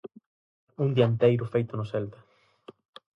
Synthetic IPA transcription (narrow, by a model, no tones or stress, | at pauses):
uŋd̪iant̪ejɾʊfejt̪onoselt̪a